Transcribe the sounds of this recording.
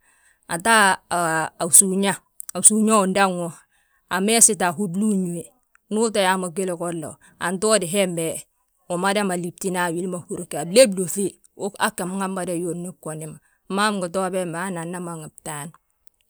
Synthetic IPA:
a̰˨ta˦˨ | a˨su˨ɲa˦ | a˨su˨ɲa˦u˨nda˦ŋo˨ | a˨me˦si˦ta˨ɦu˦dlu˦ɲu˨e˨ | nu˦ta˨ja˨ma˨ɡe˦lko˦lːo̰˨ | a̰˨nto˦di˨ɦe˦mbe˨ | o˨ma˦da˦ma˨li˨p̚ti˦na˦˨wi˦lma˨hu˦˨ɾke˨a˨ble˦blo˨fe˦ | o˦ka̰˦kːe˨m˦ŋa˦ma˦da˦jo˨ni˦kːo˨ni˨ma˨ | ma˦mɡu˨to˦be˦ma˨˦na˨nːa˦ma˨ŋi˨b̚ta˦n

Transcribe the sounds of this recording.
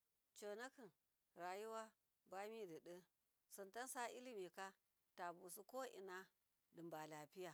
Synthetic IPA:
t͡ʃo˨na˦kɨ˨n | ɾa˨ju˦wa˦ | ba˦mi˦dɨ˨ɗə˦ | sɨ˨nta˦n˦sa˦i˦li˦mi˨ka˦ | ta˨bu˨su˦ko˦ʔḭ˨na˦ | lɨ˨mba˨la˨pi˦ja˨

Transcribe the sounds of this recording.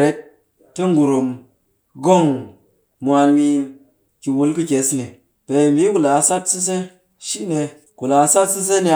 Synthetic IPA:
ɾe˨˦t̚ː | tːɨ˦ŋ˦ɡu˨ɾo˨m | ɡo˦˨ŋ | mʷ˧a˧nmi˦˧n | ki˨wu˧˦lkɨ˦kʲe˨˦sni˨ | pe˨mi˨˦ku˨la˨sa˦tsi˦s̬e˦ | ʃi˦ne˧ | ku˨la˨sa˦tsi˦s̬e˦ni˧˨

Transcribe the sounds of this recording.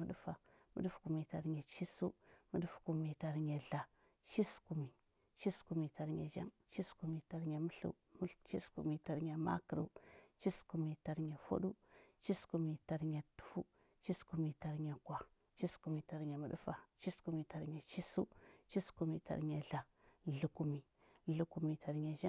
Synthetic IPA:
mu˨˦ɗu˦fa˨mṵ˨˦ɗu˦fku˨mi˨ta˨ɾɲe˨t͡ʃi˦su˦mu˨ɗu˦fku˨mi˨ta˨ɾɲe˨ɮa˨ | t͡ʃi˦sku˨mi˨ | t͡ʃi˦sku˨mi˨ta˨ɾɲḛ˨ʒa̰˦ŋt͡ʃi˦sku˨mi˨ta˨ɾɲe˨mu˦ɬṵ˦ | t͡ʃi˦skṵ˨mi˨ta˨ɾɲe˨ma̰˦kə˨ɾṵ˨˦t͡ʃi˦sku˨mi˨ta˨ɾɲe˨fo̰˦ɗu˦t͡ʃi˦sku˨mi˨ta˨ɾɲe˨tu̥˦fu˦ | t͡ʃi˦sku˨mi˨ta˨ɾɲe˨kwa˨ | t͡ʃi˦sku˨mi˨ta˨ɾɲe˨mə̰˨ɗu˦fa˨t͡ʃi˦sku˨mi˨ta˨ɾɲe˨t͡ʃi˦sṵ˦t͡ʃi˦sku˨mi˨ta̰˨ɾɲe˨ɮa˨ | ɮu˨ku˨mi˨ | ɮu˨ku˨mi˨ta˨ɾɲe˨ʒa˦

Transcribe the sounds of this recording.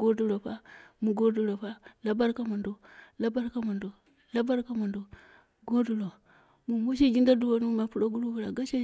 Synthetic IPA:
ɡo˦du˦˨ɾo˨pa˦mu˨ɡo˦du˨lo˨pa˦la˦ba˦ɾka˦ma˨ndo˨la˦ba˦ɾka˦ma˨ndo˨ | la˦ba˦ɾka˦ma˨ndo˨ | ɡo˦du˨lo˨ | mu˨mo˦ʃ̬i˦d͡ʒi˦ŋɡa˦du˦wo˨nu˦u˦ma˨pu˦ɾo˦ɡu˦ɾu˦bu˨ɾa˨ɡa˦ʃe˦˨

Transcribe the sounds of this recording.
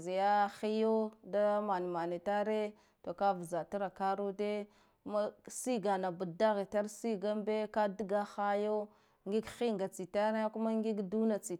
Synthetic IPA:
zi˨ja˦xi˦jo˦da˦ma˨ni˨ma˨ni˨ta˦ɾe˦ | to˨ka˦vza˨ti˦ɾa˨ka˦ɾu˦de˦ | ku˦ma˦si˦ɡa˨na˨bu˨da˦ɣi˨ta˦ɾsi˦ɡa˦mbe˦ka˦di˦ɡa˦xa˦jo˦ | ŋɡi˦ɡxi˦ŋɡa˨t͡si˨ta˦ɾe˦ku˦ma˦ŋɡi˦ɡdu˦na˨t͡si˨

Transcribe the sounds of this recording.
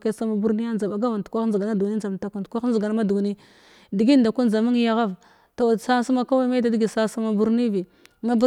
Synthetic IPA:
ke˦sa˦ma˨bu˦ɾni˦ja˦nza˨ba˨ɡa˦va˨ntkʷa˦n˦za˨ɡa˨na˦du˨i˦n˦d͡za˨m˨ta˨ku˨tkʷa˦n˦zɡa˨n˦ma˦du˨ɡni˦ | di˨ɡi˦n˦da˨ku˦n˦za˨mi˦ŋ˦ja˦ɣa˦v | ta˨wa˨sa˦su˦ma˦ka˦wa˦e˦da˨di˦ɡi˨sa˦sa˦ma˨bu˦ɾni˦vi˨ŋa˦bu˦

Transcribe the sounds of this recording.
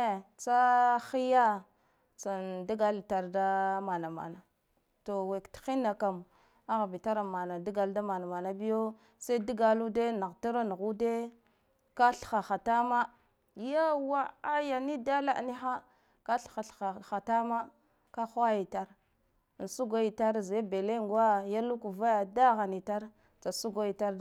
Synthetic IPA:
e˨t͡sa˦xi˦ja˦ | t͡sa˨ndi˦ɡa˨lta˨ɾda˦ma˨na˨ma̰˨na˨ | to˨we˨ktxi˦na˨ka˨m˨ | a˦ɣbi˨ta˦ɾa˨ma˨na˨di˦ɡa˨lda˦ma˨na˨ma˨na˦bi˦jo˦ | sa˦i˦di˦ɡa˨lu˦de˦na˨ɣta˦ɾa˦n˨ɣu˦de˦ | ka˦ɬxa˨xa˨ta˦ma˦ | ja˦wa˦a˦ja˨ni˦da˦la̰˦ʔni˦xa˦ | ka˦ɬxa˨ɬa˨xa˨ta˦ma˦ | ka˦xa˦ji˨ta˦ɾ | n˨su˦ɡo˦i˨ta˦ɾze˦be˨le˦ŋɡa˦ja˦lu˦ku˨va˦ja˨da˦ɣa˨ni˨ta˦ɾ | t͡sa˨su˦ɡo˦i˨ta˦ɾ

